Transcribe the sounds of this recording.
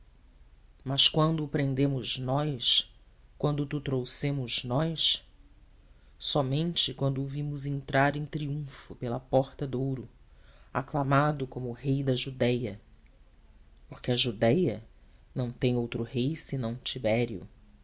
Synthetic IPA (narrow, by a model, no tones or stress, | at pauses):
mɐskwɐ̃nd̪ʊpɾẽnd̪ẽmʊznɔjs | kwɐ̃nd̪ʊt̪ut̪ɾowsẽmʊznɔjs | sɔmẽnt͡ʃɪkwɐ̃nd̪ʊvĩmʊzẽnt̪ɾaɾẽj̃t̪ɾiũfʊpelɐpɔχt̪ɐd̪owɾʊ | a̰klamad̪ʊkõmʊːhejd̪ɐʒud̪ɛjɐ | poɾkɪɐʒud̪ɛjɐ | nɐ̃w̃t̪ẽj̃owt̪ɾʊhejsɪnɐ̃w̃t͡ʃibɛɾiʊ̰